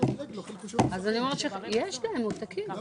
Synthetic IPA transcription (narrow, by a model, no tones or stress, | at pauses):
azaniomeʃejeʃlaemut̪akʰi